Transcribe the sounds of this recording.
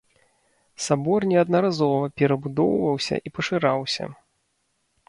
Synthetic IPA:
sabɔrnʲɛɐd̪nɐɾazɔvɐpʲɛɾɐbud̪ɔ̰wvɐwsʲɐ̰ʔipɐʂɨɾawsʲɐ̰

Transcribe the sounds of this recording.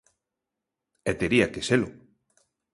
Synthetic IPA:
ɛt̪eɾiakeselʊ̰

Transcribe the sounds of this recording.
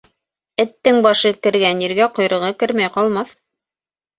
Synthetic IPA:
ɘ̆t̪ːɘŋbɑʃɤkɘ̆ɾɡænjĭɾɡæqŏjɾɤ̆ʁɤkɘɾmæjqɑlˠmɑθ

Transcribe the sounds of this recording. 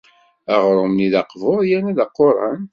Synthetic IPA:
æʁɾˤʊmniðɑqvʊɾjænæðɑqːoɾˤɑ̰n

